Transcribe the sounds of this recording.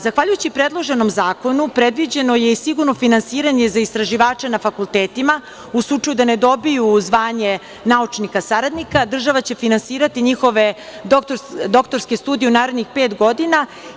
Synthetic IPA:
zaxʋaʎujut͡ɕipɾed̪lˠo̞ʒe̞no̞mzaːko̞nupɾe̞d̪ʋid͡ʑe̞no̞jeisiɡuɾno̞finansiːɾaɲe̞zaist̪ɾaʒiʋaːt͡ʂenafakulˠt̪eːt̪ima | uslˠut͡ʂajud̪aned̪o̞bijuzʋaːɲe̞ | naut͡ʂnikasaɾad̪nikad̪r̩ʒaʋat͡ɕe̞finansiːɾat̪iɲixo̞ʋe | d̪okt̪od̪o̞kt̪o̞ɾske̞st̪uːd̪ijeunaːɾe̞d̪nixpeːt̪ɡo̞d̪ina

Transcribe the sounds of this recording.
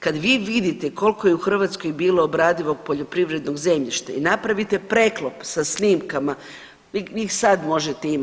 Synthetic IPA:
kad̪ʋiːʋid̪it̪eko̞lˠko̞jeuxr̩ʋat̪sko̞jbiːlˠo̞ːbɾaːd̪iʋo̞ɡ̚po̞ʎo̞pɾiʋɾe̞d̪no̞ɡzemʎiʃt̪ainapɾaʋit̪e̞pɾe̞klˠopsasniːmkama | ʋiʋixsad̪mo̞ʒet̪eim

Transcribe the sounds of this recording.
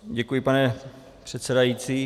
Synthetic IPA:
ɟɛkujɪpanɛ | pr̝̥ɛt̪sɛdajit͡siː

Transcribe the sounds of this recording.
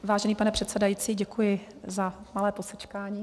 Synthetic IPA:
vaːʒɛniːpanɛpr̥ɛt̪sɛdajiːt͡siːɟɛkujɪ | zamalɛːposɛt͡ʃkaːɲiː

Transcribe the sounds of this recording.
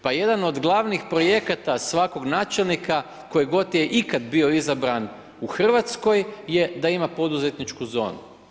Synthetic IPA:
paje̞d̪ano̞d̪ɡlˠaʋnixpɾo̞je̞kat̪asʋako̞ɡnaːt͡ʃe̞lnika | ko̞jeɡo̞t̪jeʔikad̪bio̞izabɾan | uxr̩ʋat̪sko̞jːe̞d̪aimapo̞d̪uze̞t̪nit͡ʃkuzo̞̰ːnu

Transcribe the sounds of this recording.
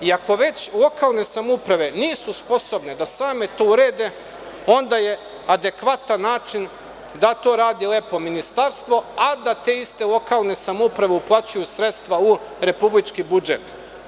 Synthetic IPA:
iako̞ʋe̞t͡ɕlˠo̞kalˠne̞samoupɾaʋe̞niːsuspo̞so̞bne̞d̪asaːme̞t̪o̞ːuɾeːd̪e̞ | o̞nd̪aje̞ | ad̪e̞kʋat̪anːaːt͡ʃin | d̪at̪o̞ːɾaːd̪ile̞po̞minist̪aɾst̪ʋo̞ad̪at̪e̞ist̪e̞lˠo̞kalˠne̞samoupɾaʋe̞uplˠaːt͡ɕujusɾet̪st̪ʋau | ɾe̞publit͡ʃkibud͡ʒet̪

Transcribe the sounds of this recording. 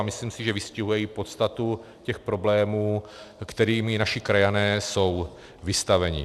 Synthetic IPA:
mɪsliːmsɪʒɛvɪscɪɦujɛjiːpo̞t̪st̪at̪u | cɛxpɾo̞blɛːmuːkt̪ɛɾiːmnaʃɪkɾajanɛːso̞w | vɪst̪avɛɲɪ̰

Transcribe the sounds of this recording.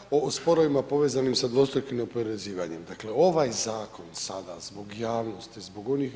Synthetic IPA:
ospo̞ɾoʋimapo̞ʋeːzanimsad̪ʋo̞st̪ojkimneopoɾeziːʋaɲemd̪akleo̞ʋajzaːko̞nsad̪a̰zbo̞ɡjaːʋno̞st̪izbo̞ɡo̞nix

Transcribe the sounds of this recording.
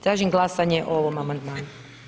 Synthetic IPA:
t̪ɾaːʒimɡlˠasaɲeʔooʋomamand̪maːnu

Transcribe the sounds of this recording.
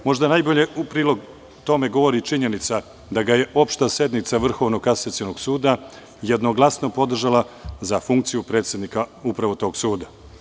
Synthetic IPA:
mo̞ʒd̪anajbo̞ʎe̞upɾiːlˠo̞ɡ | t̪o̞me̞ɡo̞ʋo̞ɾit͡ʃiɲe̞nit̪sa | d̪aɡaje̞ʔo̞pʃt̪ase̞d̪nit̪saʋr̩xo̞ʋnokaset̪sjenoɡsuːd̪a | jed̪noɡlˠasno̞po̞d̪r̩ʒalazafuŋkt̪sijupɾet̪sjed̪nikaupɾaʋo̞t̪o̞ːɡsuːd̪a

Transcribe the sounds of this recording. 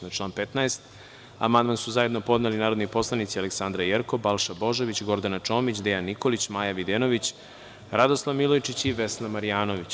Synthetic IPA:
aʈ͡ʂlˠaːnpet̪naest̪ | a̰mand̪mansuzaje̞d̪nopo̞d̪nelinaːɾod̪nipo̞slˠanit̪sialeksand̪ɾajeɾko̞balˠʃabo̞ʒoʋit͡ɕɡo̞ɾd̪anat͡ʃo̞ːmit͡ɕd̪ejanːiko̞lit͡ɕmaːjaʋid̪enoʋit͡ɕ | ɾad̪oslˠaʋmilojt͡ʃit͡ɕiʋeslamaɾijaːnoʋit͡ɕ

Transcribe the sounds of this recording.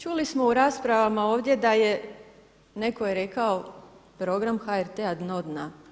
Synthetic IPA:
t͡ʃulismo̞uɾaːspɾaʋamao̞ːʋd̪jed̪aje̞ | ne̞ko̞jeɾe̞kao̞pɾo̞ɡɾamxaeɾt̪ead̪nod̪na

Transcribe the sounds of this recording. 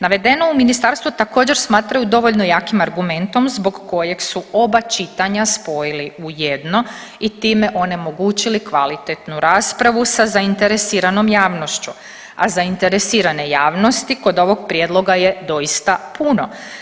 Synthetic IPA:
naʋe̞d̪e̞no̞uminist̪aɾst̪ʋut̪ako̞ːd͡ʑe̞ɾsmaːt̪ɾajud̪o̞ʋo̞ʎno̞jaːkimaɾɡume̞nt̪o̞mzboɡko̞je̞ɡsuo̞bat͡ʃit̪aɲaspo̞jiliuje̞d̪no̞ | it̪iːme̞ʔo̞ne̞mo̞ɡuːt͡ɕilikʋalit̪et̪nuɾaːspɾaʋusazaint̪eɾesiːɾano̞mjaːʋno̞ʃt͡ɕu | a̰zaint̪e̞ɾesiːɾane̞jaːʋno̞st̪iko̞d̪o̞ʋo̞ɡpɾjed̪lˠo̞ɡaje̞d̪o̞ist̪apuno̞

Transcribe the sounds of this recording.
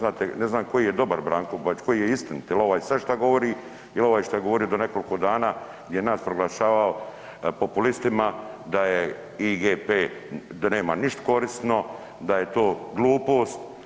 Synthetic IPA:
naːt̪eneznaːmko̞jijed̪o̞baɾbɾaːŋkobat͡ʃko̞jijeist̪inut̪jɛlo̞ʋaːjsaʃt̪aɡo̞ʋo̞ɾi | iloʋaːjʃt̪ajeɡo̞ʋo̞ɾiod̪one̞ko̞liko̞d̪aːnaː | ɡd̪ʲjejenaːspɾoɡlaʃaːʋao | po̞pulist̪imad̪aje | iɡeːpeːd̪ane̞ːmaniʃt̪o̥ko̞ɾist̪no̞ | d̪aje̞t̪o̞ːɡlˠuːpo̞ːst̪

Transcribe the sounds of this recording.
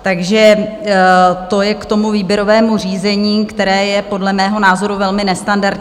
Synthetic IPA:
t̪aɡʒɛ | t̪o̞jɛkt̪o̞muviːbjɛɾo̞vɛːmur̝iːzɛɲiːkt̪ɛɾɛːjɛpo̞dlɛmɛːɦo̞naːzo̞ɾuvɛlmɪnɛst̪andaɾt̪

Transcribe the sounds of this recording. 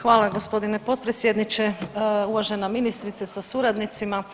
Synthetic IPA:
xʋaːlˠaɡo̞spo̞d̪inepo̞t̪̚pɾet̪sjed̪nit͡ʃeuʋaʒenaminist̪ɾit̪sesasuɾad̪nit̪sima

